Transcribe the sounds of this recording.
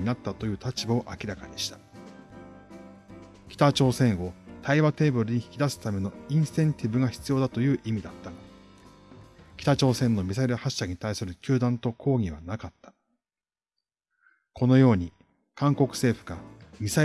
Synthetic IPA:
inat̪ːat̪o̞jɯ̟ːt̪at͡ɕibaoʔakʲiɾakaɲ̟iɕi̥t̪ḁ | kʲi̥t̪at͡ɕo̞ːsẽ̞ɰ̃o̞t̪aiβat̪e̞ːbɯ̟ɾɯ̟ɲ̟içi̥kʲid̪asɨ̥t̪ame̞no̞ĩɰ̃sɨ̥t̪ẽ̞nt̪ʲibɯ̟ɡaçi̥t͡sɨjo̞ːd̪at̪o̞jɯ̟ːʔimʲid̪at̪ːaɡa | kʲi̥t̪at͡ɕo̞ːsẽ̞nːo̞mʲisaiɾɯ̟haɕːaɲ̟it̪aisɨɾɯ̟kʲɨːd̪ãnt̪o̞kʰo̞ːɡʲiβ̞anakat̪ːḁ | kʰo̞no̞jo̞ːɲ̟i | kãŋko̞kɯ̟̥se̞ːɸɯ̟ɡamʲisa

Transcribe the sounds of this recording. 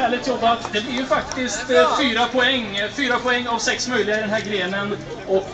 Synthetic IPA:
æːɭɪt̪ʰjɔbːat̪d̪ɛblɪɾjɵfak̚t̪ɪst̪fyːɾapʰɔɛŋːfyːɾapʰɔɛŋːavsɛksmœjlɪɡaɪd̪ɛnɦæːɾɡɾeːnən | ɔk

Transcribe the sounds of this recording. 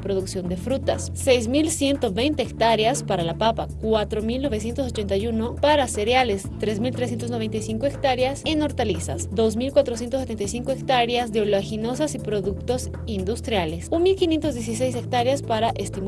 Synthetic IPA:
pɾoðuksjo̞nd̪e̞fɾut̪asːejzmilsje̞nt̪o̞βe̞jnt̪eːkt̪aɾjaspaɾalapapakwat̪ɾo̞milno̞βesje̞nt̪oso̞t͡ʃe̞nt̪ajuno̞paɾase̞ɾjale̞st̪ɾe̞smilt̪ɾes̬je̞nt̪o̞znoβe̞nt̪ajsiŋkoekt̪aɾjaseno̞ɾt̪alisa̰sd̪o̞zmilkwat̪ɾo̞sje̞nt̪ose̞t̪ent̪ajsiŋkoekt̪aɾjazðeoloaxino̞sasipɾo̞ðukt̪o̞s | ind̪ust̪ɾjale̞sunmilkinje̞nt̪ozðjes̬is̬e̞js̬ek̚t̪aɾjaspaɾaʔest̪im

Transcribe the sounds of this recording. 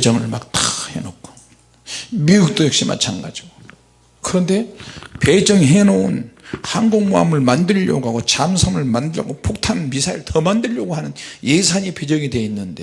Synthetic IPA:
ped͡ʑʌŋɯɭma̰k̚t͈ḁhenok̚kʰo̥ | miuk̚t͈ojʌk̚ɕ͈ima̰t͡ɕʰanɡa̰d͡ʑiɡo | kɯɾʌnde̞pe̞d͡ʑʌŋɦenounhanɡoŋmoa̰mɯɭmandɯʎːʌ̰ɡoɦaɡot͡ɕamsʰʌmɯɭmandɯʌ̰ɡopʰok̚tʰanmisʰaiɭtʰʌmandɯʎːʌɡoɦanɯnje̞sʰaɲiped͡ʑʌŋidwe̞inːɯnde̞

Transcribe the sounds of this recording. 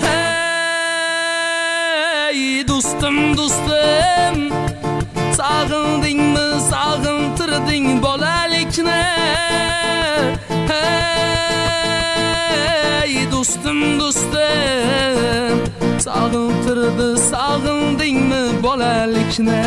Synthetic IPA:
hɛ | j | d̪ost̪ɨmd̪ost̪ɨm | sɑʁɨlˠd̪ɪŋmɪsɑʁɨlt̪ʰɨɾd̪ɪŋbɔlalɪkʲnɪ | he | jd̪ost̪ɨmd̪ost̪ɨ | sɑʁɨlt̪ʰɨɾd̪ɪsɑʁɨlˠd̪ɪŋmɪbɔlalɪkʲnɪ

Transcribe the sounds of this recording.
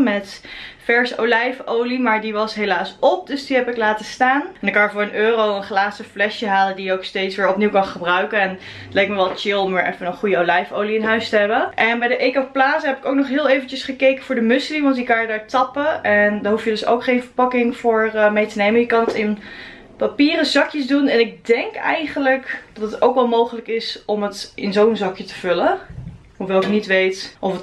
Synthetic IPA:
mɛtfɛɹsəʔowlɛjfowlimaːɹdiʋɑsɦejlaːsɔp̚døsdiɦɛpɪklaːtəstaːnɛndɑkɑnjəvʊːɹənøːrowənχlaːsəflɛʃjəɦaːləndijəowkstejtsʋɪːɹɔpniwkɑnχəbrœɥkənɛn | tlɛjk̚məʋɛlˠt͡ʃɪlˠɔmʋɪːɹʔɛ̰fənənχujəolɛjfowliɪnɦœɥstəɦɛbəʔɛnbɛjdəʔejkɔfplaːzəɦɛpɪkowk̚nɔχɦɪːlˠejvənt͡ʃəsχəkejkəv̥ʊːɹdəmʏsliʋɑntɪkːaːjədaːɹtɑpəɛndaːɹɦufjədɵso̰wkχejnvəɹpɑkɪŋv̥ʊːɹmejtənejməjəkɑnətɪn | papiːrəzɑkjəzdunɛnɪk̚dɛŋkɛ̰jχənləkd̥ɑtətowkʋɛlˠmowχələkɪsɔmətʔɪnzownzɑkjətə̥v̥ɵlə | ɦoʋɛlˠɪknitʋejtʔɔfət

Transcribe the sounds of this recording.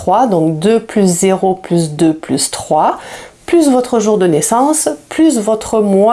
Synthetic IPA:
wad̪ɔ̃kd̪øplyszeʁoplysd̪øplyst̪χwaplysvɔt̪χəʒuʁd̪ənɛsɑ̃splysvɔt̪χəmw

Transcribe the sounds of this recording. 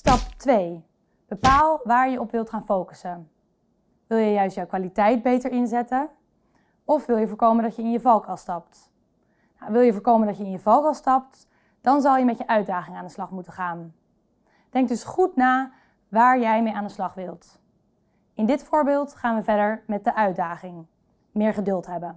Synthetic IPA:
stɑptʋej | b̥əpaːlˠʋaːɹjəɔpʋɪlˠtχaːnfowkə̥sən | ʋɪlˠjəjœɥstjɔwkʋaːlitɛjd̚bejtəɹɪnzɛtən | ɔfʋɪlˠjəvʊːɹkowməndɑtjəɪnjəvɑlˠkɑlˠstɑp̚t | nawʋɪlˠjəvʊːɹkowməndɑtjəɪnjəvɑlˠkɑlˠstɑp̚t | d̥ɑnzɑlˠjəmɛtjəʔœɥt̚daːχɪŋaːndəslɑχmutəχaːn | d̥ɛŋk̚dɵsχutnaː | ʋaːɹjɛjmejaːndəslɑχʋɪlˠt | ɪndɪtfʊːɹbɪːlˠtχaːnʋəvɛɹdəɹmɛt̚dəʔœɥdaːχɪŋ | mɪːɹχədɵlˠtɦɛbən

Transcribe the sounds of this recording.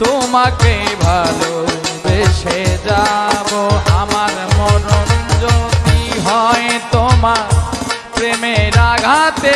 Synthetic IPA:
t̪omak̚bebʱalod̪eʃed͡ʑaboamaɾmɔnond͡ʑot̪iɦɔet̪oma | pɾemeɾaɡʱat̪e

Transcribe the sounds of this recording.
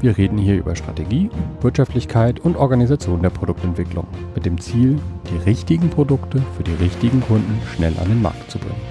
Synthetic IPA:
v̥iːɐʁeːdn̩hiːɐʔy̰ːbɐʃtʁ̥a̰teɡiːv̥ɪɐtʃaftlɪçkʰaɪtʊntʔɔɐɡanizat͡sjoːndeːɐpʁ̥odʊktɛntv̥ɪklʊ̰ŋmɪt̚d̥eːmt͡siːld̥iːʁɪçtɪɡŋ̩pʁ̥odʊktəfyːɐdiːʁɪçtɪɡŋ̩kʰʊndn̩ʃnɛlʔa̰ndeːnma̰ɐktt͡subʁɪ̰ŋən

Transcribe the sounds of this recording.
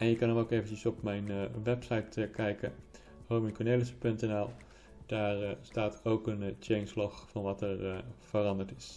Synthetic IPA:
ɛnjəkɑnəmowkejvəncəsɔpmɛjnʋɛpsɑjtəkɛjkə̰ | howmɪŋkɔneləsəpɵntɛnɛlˠ | d̥aːrstaːtowkənt͡ʃɛɪŋslɔxfɑnʋɑtəɹv̥ərɑndəɹtɪs

